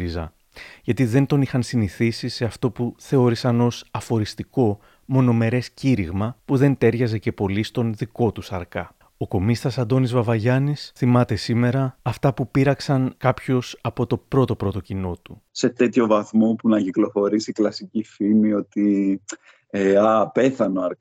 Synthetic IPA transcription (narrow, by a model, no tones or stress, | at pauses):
izɐ̰ | ʝɐt̪iðe̞nt̪o̞nixɐnsiniθisise̞ɐft̪o̞puθe̞o̞ɾisɐno̞sɐfo̞ɾist̪iko̞ | mo̞no̞me̞ɾe̞sciɾiɣmɐpuðe̞nt̪e̞ɾʝɐze̞ce̞po̞list̪o̞nðiko̞t̪usɐɾkɐ | o̞ko̞mist̪ɐsɐnd̪o̞nizvɐvɐʝɐnisθimɐt̪e̞sime̞ɾɐːft̪ɐpupiɾɐksɐnkɐpço̞sɐpo̞t̪o̞pɾo̞t̪o̞pɾo̞t̪o̞cino̞t̪use̞t̪e̞t̪ço̞vɐθmo̞punɐciklo̞fo̞ɾisiklɐsicifimio̞t̪i | eape̞θɐnoɐɾk